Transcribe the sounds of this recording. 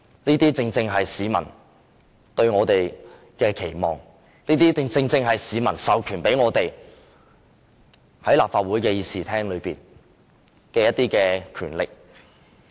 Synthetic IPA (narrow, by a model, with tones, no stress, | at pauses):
niː˥t̪iː˥t͡sɪ˧ŋt͡sɪ˧ŋɦɐ˨jsiː˨˧mɐ˨˩n | t̪ɵ˧ɥŋɔː˨˧t̪e˨j | kɛː˧kʰe˨˩jmɔ̰ː˨˩ŋ | niː˥t̪iː˥t͡sɪ˧ŋt͡sɪ˧ŋt͡sɪ˧ŋɦɐ˨jsiː˨˧mɐ˨˩nsɐ˨wkʰyː˨˩npe˨˥jŋɔː˨˧t̪e˨j | hɐ˨˥jlaː˨p̚faː˧t̚uː˨˥jkɛː˧jiː˨˧siː˨˩t̪ʰɛː˥ŋlɵ˨˧ɥpiː˨n | kɛː˧jɐ˥t̪̚iː˥kɛː˧kʰyː˨˩nlɪ˨k̚